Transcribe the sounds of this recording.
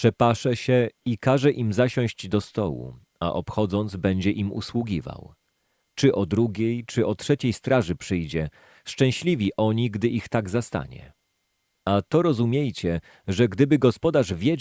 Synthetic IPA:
pʂɛpaʂɛɕɛikaʐɛʔimzaɕɔ̃w̃ʑd͡ʑd̪ɔst̪ɔ̰wṵ | a̰ʔɔpxɔd̪zɔnd̪zbɛɲd͡ʑɛʔimṵswuɡʲiva̰w | t͡ʂɘʔɔd̪ɾuɡʲejt͡ʂɘɔtʂɛt͡ɕejst̪ɾaʐɘpʂɘjd͡ʑɛ | ʂt͡ʂɛ̃w̃ɕlʲivʲiʔɔɲiɡd̪ɘʔixt̪aɡzast̪a̰ɲɛ̰ | at̪ɔɾɔzumʲjejt͡ɕɛ | ʐɛɡd̪ɘbɘɡɔspɔd̪aʐvʲje

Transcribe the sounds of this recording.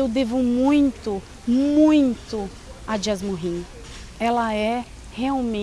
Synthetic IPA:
ewd̪evumũj̃t̪ʊ | mũj̃t̪ʊ | ɐd͡ʒiazmoɦĩn | ɛlɐɛ | heawmẽ

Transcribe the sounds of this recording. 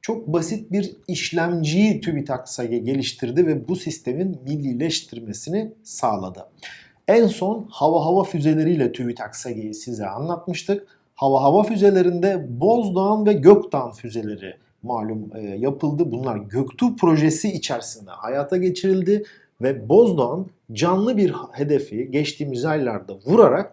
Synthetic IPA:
t͡ʃʰo̞k̚basit̪̚biɾiʃlʲæmd͡ʒijit̪ʰyvit̪ʰaksaɟɛɟe̞lʲiʃt̪ʰiɾd̪ivɛbusist̪ʰe̞minmilʲːiːlʲɛʃt̪ʰiɾme̞sinisaːlˠa̰d̪ɯ̰ | ænso̞nhavaɦavafyze̞lʲe̞ɾijlʲɛt̪ʰyβit̪ʰaksaɟejisizlʲɛ̰a̰nlˠat̪̚mɯʃt̪ʰɯk̚ | havaɦavafyze̞lʲe̞ɾind̪ɛbo̞zd̪oanvɛɟøkt̪aːnfyze̞lʲe̞ɾḭ | maːlʲumjapʰɯlˠd̪ɯbunlˠaɾɟø̞kt̪ʰypʰɾo̞ʒesiːt͡ʃʰæɾsind̪ɛ̰hajaːt̪ʰaɟe̞t͡ʃʰiɾilʲd̪ɪ | vɛbo̞zd̪oan | d͡ʒanlˠɯbiɾhe̞d̪e̞fiɟɛt͡ʃt̪ʰiːmizajlʲˠaɾd̪avuɾaɾak̚

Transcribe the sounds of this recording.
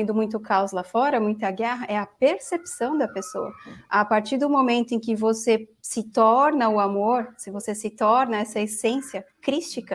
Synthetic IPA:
nd̪ʊmũj̃t̪ʊkawslafɔɾɐmũj̃t̪ɐɐɡɛɦɐʔɛɐpeɾsepsɐ̃w̃d̪ɐpesoɐapaɾt͡ʃiɾd̪ʊmomẽnt̪ʊẽkɪvosesɪt̪ɔɾnɐʊamoɾsɪvosesɪt̪ɔɾnɐɛsɐesẽsiɐkɾist͡ʃikɐ

